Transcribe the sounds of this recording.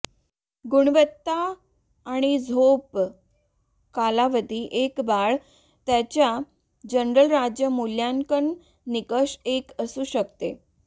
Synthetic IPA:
ɡuɽ̃ʋət̪ːaː | ɽ̃id͡zʱop | kalaʋəd̪ʱiːʔekbaɭ | t̪jat͡ɕja | d͡ʑəɳɾəlɾad͡ʑjəmuljaŋkənː | ikəɕekəsuːɕəkt̪ḛ

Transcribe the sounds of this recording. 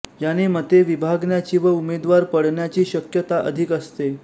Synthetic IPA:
janimət̪eʋibʱaɡɳjat͡ɕiːʋəumed̪ʋaɾpəɽɳjat͡ɕiːɕəkjət̪aʔə̰d̪ʱikəst̪e

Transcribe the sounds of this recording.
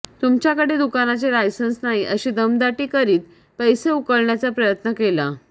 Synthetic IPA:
t̪umt͡ɕjakəɽed̪ukanat͡selajsənsnaɦiʔəɕiːd̪əmd̪aʈiːkəɾiːt̪ | pəjseukəɭɳjat͡sapɾəjət̪nəkela

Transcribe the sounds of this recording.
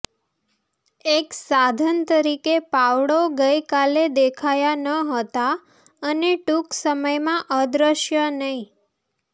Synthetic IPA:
eksad̪ʱənt̪əɾikepaʋɽoɡəjkaled̪ekʰajanəɦət̪a | əneʈuksəməjmãʔəd̪ɾəʃjənəĩ

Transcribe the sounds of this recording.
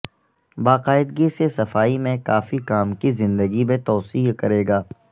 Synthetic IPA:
baːqaːɪd̪ɡisesɐfaːimẽkaːfikaːmkizɪ̃nd̪əɡimẽt̪ɔːsiːkɐɾeːɡaː

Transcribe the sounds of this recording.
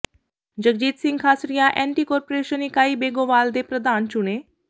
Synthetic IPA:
d͡ʒək̚d͡ʒiːt̪sɪ̃ŋɡkʰaːsɾijaːʔɛ̃ːɳʈiːkɔːɾpoːɾeːʃəniːkaːiːbeːɡoːʋaːld̪eːpɾəd̪aːnt͡ʃʊneː

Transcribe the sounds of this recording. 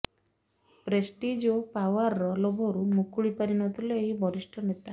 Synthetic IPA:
pɾesʈid͡ʒopawaɾːɔlobʱɔɾumukuɭipaɾinɔt̪ʰilɔeɦibʱɔɾisʈʰɔnet̪a

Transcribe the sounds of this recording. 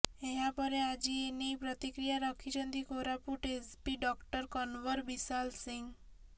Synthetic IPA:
eɦãpəɾead͡ʑienipɾət̪ikɾijaɾəkʰit͡ʃʰənt̪ikoɾapuʈespiɖɔkʈəɾkɔnʋəɾbisalsiŋɡ

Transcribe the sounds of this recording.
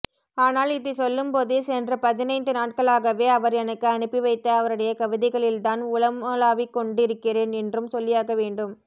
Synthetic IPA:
aːnaːlɪðɯsɔlːɯmpoːðɯsɛndrɐpɐðɪnɐɪnd̪ɯnaːʈ̚kɐɭaːɣɐʋeːɐʋɐɾɛnɐkːɯɐnɯpːiʋɐɪt̪ːɐɐʋɐɾɯɽɐjɐkɐʋɪðɐɪɣɐɭɪlt̪aːnʊɭɐmɐlaːʋikːɔɳɖɪɾɯkːɪreːnɛndrɯmsɔlːɪjaːɣɐʋeːɳɖɯm

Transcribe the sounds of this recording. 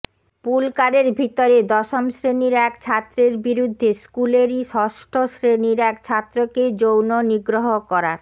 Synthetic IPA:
pulkaɾeɾbʱit̪oɾed̪ɔʃomʃɾeniɾɛkt͡ɕʰat̪ːɾeɾbiɾud̪ʱːeskuleɾiʃɔʃʈʰosɾeniɾɛkt͡ɕʰat̪ːɾoked͡ʑownoniɡɾoɦokɔɾa̰ɾ

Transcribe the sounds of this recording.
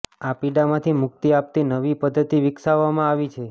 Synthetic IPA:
apiɖamãt̪ʰimʊk̚t̪iap̚t̪inəʋipəd̪ʱːət̪iʋɪksaʋːamãaʋit͡ʃʰe

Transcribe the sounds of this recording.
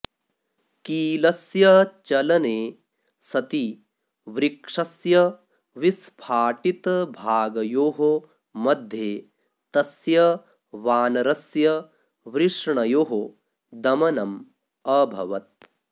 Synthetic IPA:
kiːlɐsjɐt͡ʃɐlɐneː | sɐt̪i | ʋɾikʂɐsjɐ | ʋispʰaːʈit̪ɐbʱaːɡɐjoːɦo | mɐd̪ʱjeː | t̪ɐsjɐ | ʋaːnɐɾɐsjɐ | ʋɾiʂɳɐjoːɦo | d̪ɐmɐnɐm | ɐbʱɐ̰ʋɐt̪̚

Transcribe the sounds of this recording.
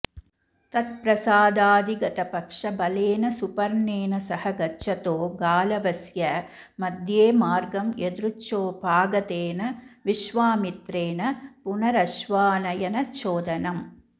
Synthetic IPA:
t̪ɐt̪̚pɾɐsaːd̪aːd̪iɡɐt̪ɐpɐkʂɐbɐleːnɐsupɐɾneːnɐsɐhɐɡɐt͡ʃɐt̪oːɡaːlɐʋɐsjɐ | mɐd̪jeːmaːɾɡɐmed̪ɾut͡ʃːoːpaːɡɐt̪eːnɐʋiʃʋaːmit̪ɾeːnɐpʊnɐɾɐʃʋaːnɐjɐnɐt͡ʃoːd̪ɐnɐm

